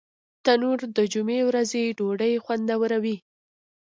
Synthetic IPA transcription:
t̪anuɾd̪əd͡ʒumewɾazeɖoɖəjxwand̪awəɾawi

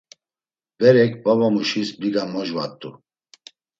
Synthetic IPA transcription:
bɛɾɛkbavamuʃisbiɡamɔʒva̰t̪ʼːṵ

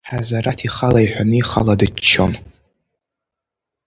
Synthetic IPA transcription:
ħazaɾatʰiχalaiħʷᶣanɨiχaladɨt͡ʃʰːon

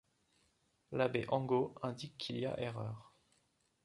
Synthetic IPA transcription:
labeʔɑ̃ɡoɛ̃d̪ikːʰilija̰ʔeʁœːʁ

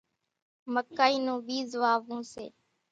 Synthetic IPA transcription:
məkːaːiːnũːbiːzʋaːʋũːsḛː

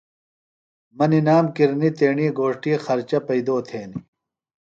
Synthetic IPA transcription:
mɐninaːmkiɾnit̪eːɳiɡoːʂʈixɐɾt͡ɕɐpɐid̪oːt̪ʰeːni

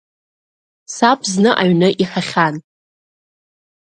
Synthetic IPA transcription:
sapʰʼznɨʔaɥnɨʔiħaχʲan

